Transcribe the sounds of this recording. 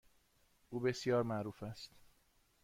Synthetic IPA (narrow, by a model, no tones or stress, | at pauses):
ʔuːbe̞sjɒːɾmæʔɾuːfæst̪